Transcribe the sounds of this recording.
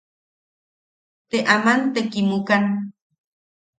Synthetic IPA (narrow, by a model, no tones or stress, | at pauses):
t̪eʔamant̪ekimukan